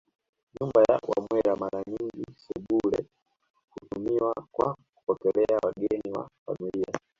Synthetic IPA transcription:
ɲumbaja̰wa̰mwɛɾamaɾaɲiŋɡisɛɓulɛ̰ | kutumiwakwaku̥pɔkɛlɛawaɡɛniwa̰fa̰milia

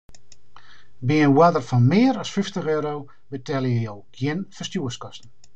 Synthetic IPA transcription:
biənwadərfɔnmɪəɾɔsfyftəχøːɾow | bətʰɛlˠjəjowɡ̥jɪnfərstjuəskɔstn̩

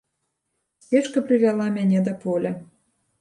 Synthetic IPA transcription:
eʃkə̆plʲivʲɑlˠɑmʲænʲĕd̪ĕpolʲĕ

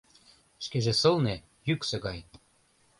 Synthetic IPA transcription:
ʃkeʒĕsɤ̆lne | jyksĕɣɑj

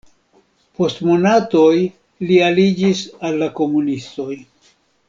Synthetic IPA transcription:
po̞stmo̞nato̞j | lialid͡ʒisalːako̞munisto̞j

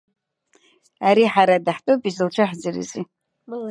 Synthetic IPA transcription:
aɾiħaɾadaħtʼopʼizɨlt͡ʃʷʰaħd͡zɨrɨ̰zi

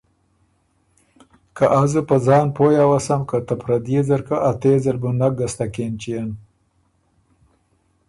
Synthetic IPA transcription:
kaʔazɨpəzɑːnpojawasamkat̪apʰɾad̪jezaɾkaʔat̪eːzəlbunak̚ɡast̪akent͡ʃijan

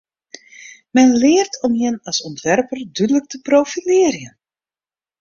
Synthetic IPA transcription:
mɛnlɪːərtʰɔmjənɑsɔntʋɛrpərdydələk̚təprowfilɪːrjən

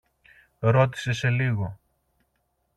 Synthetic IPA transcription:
ɾo̞t̪i̥se̞se̞liɣo̞

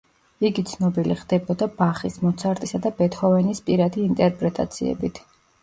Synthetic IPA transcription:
iɡit̪sʰnɔbiliχd̪ɛbɔd̪abaχismɔt̪sʰaɾt̪ʼisad̪abɛt̪ʰχɔvɛnispʼiɾad̪iːnt̪ʼɛɾpʼɾɛt̪ʼa̰t̪sʰiɛ̰bit̪ʰ

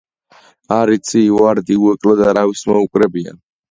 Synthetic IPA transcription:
aɾit̪sʰivaɾd̪iuɛkʼlɛd̪aɾavismɔukʼɾɛbia̰n

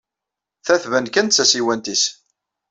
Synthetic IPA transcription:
θæθvənkænt̪t͡sːæsiwænt̪is

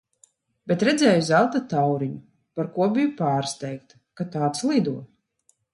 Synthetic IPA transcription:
bet̪ɾɛd̪zɛːjuzælˠt̪at̪awɾiɲu | paɾkuɔbijupaːɾst̪ɛjkt̪ | kat̪aːt̪slˠid̪uɔ

